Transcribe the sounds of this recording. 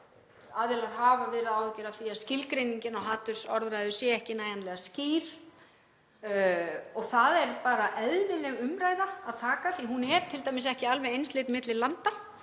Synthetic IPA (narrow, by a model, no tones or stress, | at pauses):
aːðɛlaɾ̥ɦaːvavɪːɾɪðaːwɛhcːʏɾaðθiḁscɪlkɾejniɲcɪnawɦaːt̪ʏɾ̥sɔɾðɾajðʏsjɛɛhcɪnaːjanlɛɣasciːɾ̥ | ɔɣθaðɛɾpaːɾaʔɛðlɪlɛɣʏmɾaːjðaːðt̪ʰaːkaθiɦunɛɾ̥t̪ʰɪlt̪ajmɪsɛhcɪalvɛejnslejt̪mɪt̪lɪlant̪a